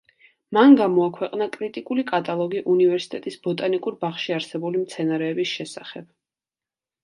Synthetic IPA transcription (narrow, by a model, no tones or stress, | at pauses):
manɡamɔakʰwɛqʼnakʼɾit̪ʼikʼulikʼat̪ʼalˠɔɡiʔunivɛɾsi̥t̪ʼɛt̪ʼisbɔt̪ʼanikʼuɾbaχʃiaɾsɛbulimt̪sʰɛnaɾɛːbisʃɛsaχɛb̥